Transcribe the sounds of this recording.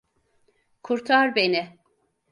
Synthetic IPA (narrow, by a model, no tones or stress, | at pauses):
kʰuɾt̪ʰaɾbenɪ